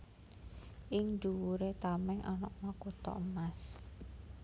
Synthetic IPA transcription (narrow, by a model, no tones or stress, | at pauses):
ʔɪŋnduwuɾet̪amɛŋʔɔnɔ̰knɔkut̪ɔ̰əmas